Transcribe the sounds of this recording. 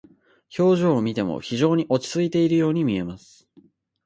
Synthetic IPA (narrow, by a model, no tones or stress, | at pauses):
ço̞ːʑo̞ːmʲit̪e̞mo̰çiʑo̞ːɲ̟iʔo̞t͡ɕi̥t͡sɨit̪e̞iɾɯjo̞ːɲ̟imʲie̞masɨ̥